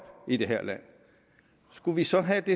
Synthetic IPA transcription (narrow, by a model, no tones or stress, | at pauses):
b̥id̥e̝ɦæɐ̰læn̰ | sɡ̥uʋisɒ̽ɦæd̥e̝